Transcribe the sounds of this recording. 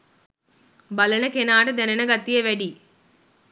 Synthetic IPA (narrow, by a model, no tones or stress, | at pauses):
bɐlɐnɐkenaːʈɐd̪ɐnɐnɐɡɐt̪ːijeʋɐɽi